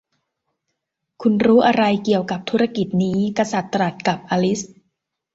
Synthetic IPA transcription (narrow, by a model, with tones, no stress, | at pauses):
kʰu˧nɾuː˦˥ʔa˧ɾa˧jki˨˩əwka˨˩p̚t̪ʰu˦˥ɾa˧ki˨˩t̪̚niː˦˥ka˧sa˨˩t̪ːɾa˨˩t̪̚ka˨˩p̚ʔaː˧li˦˥s